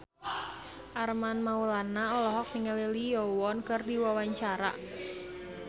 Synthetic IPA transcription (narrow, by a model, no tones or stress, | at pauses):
ʔarmanmaulanaɔlɔɦɔk̚niŋəlelijɔwɔnkɨrdiwawaɲt͡ʃaɾa̰